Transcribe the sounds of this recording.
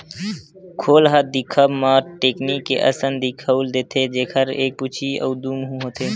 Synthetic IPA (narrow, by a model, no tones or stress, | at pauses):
kʰoːlɦəd̪ɪkʰəbmãʈeːknikːḛʔə̰sənd̪ikʰəuld̪eːt̪ʰed͡ʒeːkʰəɾeːk̚put͡ʃʰiɔ̰ːd̪umɦũɦoːt̪eː